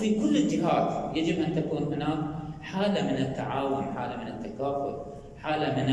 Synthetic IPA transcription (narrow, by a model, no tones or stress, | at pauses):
fikʊlːɪd͡ʒɪɦaːt̪jad͡ʒɪbʔant̪akuːnɦʊnaːkħaːlamɪnɪt̪ːaʕaːwʊnħaːlamɪnɪt̪ːakaːfʊ̰l | ħaːlamɪn